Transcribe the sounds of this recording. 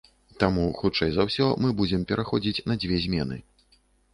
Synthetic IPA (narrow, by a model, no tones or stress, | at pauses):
t̪amuxut͡ʂɛjzawsʲɔmɨbud͡zʲɛmpʲɛɾʔaxɔd͡zʲit͡sʲnɐd͡zʲvʲɛzʲmʲɛnɨ̰